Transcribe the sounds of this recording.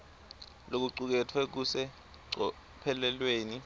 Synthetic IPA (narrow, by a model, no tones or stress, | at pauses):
lok̬uǀuk̬ɛtʰwɛk̬usɛ | ǀɔ | pʰɛlɛlweːni